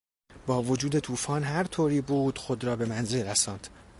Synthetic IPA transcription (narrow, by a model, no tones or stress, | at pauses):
bɒːvod͡ʒuːd̪e̞t̪ʰuːfɒːnɦæɾt̪ʰoːɾiːbuːd̪̥xo̞d̪ɾɒːbe̞mænze̞lɾæsɒːnd̪̥